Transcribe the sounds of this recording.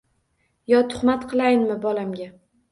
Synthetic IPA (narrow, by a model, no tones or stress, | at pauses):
jɒt̪ʰʊ̥χmat̪qʰɨlˠajnmɪbɒlamɡʲa